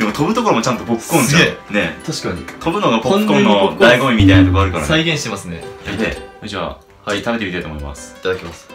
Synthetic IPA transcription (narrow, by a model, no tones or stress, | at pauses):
d̪emot̪o̞bɯ̟t̪o̞koɾomot͡ɕãnt̪o̞pokɯ̥kːõñzne̞t̪ʰaɕi̥kaɲit̪ʰo̞bɯ̟no̞ɡapokːõnnoaiɡomimʲit̪ainat̪okoaɾɯ̟kaɾa̰saiɡẽɰ̃ɕi̥t̪emasɨne̞aied͡ʑa | hait̪abe̞t̪eit̪ajt̪omoima̰sɨ̥it̪ad̪akemasɨ̥